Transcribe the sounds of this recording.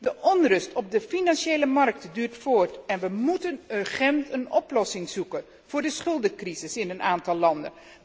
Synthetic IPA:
dəʔɔnrɵstɔb̚dəfinɑnʃejləmɑrk̚tdyːɹtfʊːɹtɛnʋəmutənəχɛntənɔplɔsɪŋzukən | v̥ʊːɹdəsχɵlˠdəkrizɪsɪnənaːntɑlˠːɑndə̰n

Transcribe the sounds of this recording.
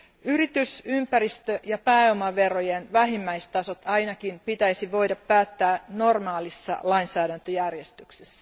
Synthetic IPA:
yrit̪ysympæɾist̪øʔjɑpæːomɑʋerojenʋæɦimːæist̪ɑso̞t̪ɑinɑkinpit̪æisiʋo̞jdɑpːæːt̪ːæːno̞rmɑːlisːɑ̰lɑinsæːɾænt̪øjærjest̪yksesːæ

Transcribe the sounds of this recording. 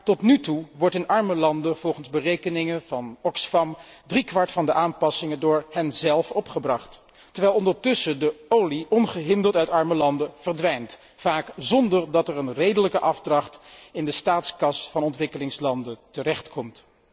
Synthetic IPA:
tɔtnytuʋɔɹtɪnɑɹməlɑndəv̥ɔlˠχənzbərejkənɪŋəvɑnɔksfɑmdrikʋɑɹtfɑndəʔaːnpɑsɪŋədʊːɹhɛnzɛlˠfɔpχəbrɑχt | tːəɹʋɛjlˠɔndəɹtɵsədəowliʔɔnχəɦɪndəɹtœɥtɑɹməlɑndəv̥əɹdʋɛjnt | faːkzɔndəɹdɑtəɹənrejdələkəʔɑfdrɑχtɪndəstaːtskɑsfɑnɔntʋɪkəlɪŋslɑndətərɛχtkʰɔmt

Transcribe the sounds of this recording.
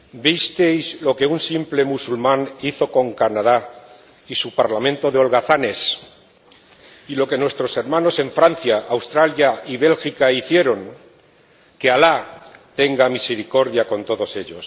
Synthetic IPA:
bist̪e̞jzlo̞ke̞unsimple̞musulmãniθo̞ko̞ŋkanaða | isupaɾlamẽ̞nt̪o̞ðeo̞lɣaθane̞s | ilo̞ke̞nwe̞st̪ɾo̞se̞ɾmãno̞se̞ɱfɾan̟θjaawst̪ɾaljaiβe̞lxikaiθje̞ɾo̞ŋ | ke̞alat̪e̞ŋɡamise̞ɾiko̞ɾðjako̞nt̪o̞ðo̞se̞ʎo̞s

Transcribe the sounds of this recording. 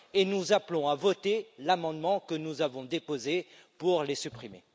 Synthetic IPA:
enuzaplɔ̃avɔt̪elamɑ̃d̪mɑ̃kənuzavɔ̃d̪epozepuʁlesypχimḛ

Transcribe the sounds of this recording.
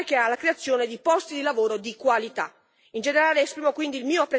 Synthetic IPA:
kealːakɾeat̪sːjoːned̪ipɔst̪id̪ilavoːɾod̪ikwalit̪a | ind͡ʒeneɾaːleːspɾiːmokwind̪iːlmiːoapːɾe

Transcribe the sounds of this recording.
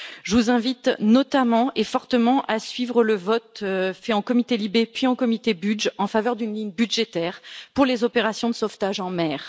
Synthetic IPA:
ʒəvuzɛ̃vit̪nɔt̪amɑ̃ʔefɔʁt̪əmɑ̃ʔasɥivʁələvɔt̪fɛɑ̃kɔmit̪elibepɥiɑ̃kɔmit̪ebyd͡ʒɑ̃favœʁd̪ynliɲbyʒet̪ɛːʁpuʁlezɔpeʁasjɔ̃d̪əsɔft̪aʒɑ̃mɛːʁ

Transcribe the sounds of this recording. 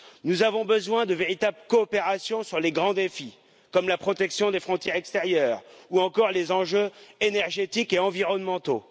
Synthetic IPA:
nuzavɔ̃bəzwɛ̃d̪əveʁit̪abləkɔːpeʁasjɔ̃syʁleɡʁɑ̃d̪efi | kɔmlapχɔt̪ɛksjɔ̃d̪efχɔ̃t̪jɛʁɛkst̪eʁjœːʁuɑ̃kɔʁlezɑ̃ʒøenɛʁʒet̪ikeɑ̃viʁɔnmɑ̃t̪o

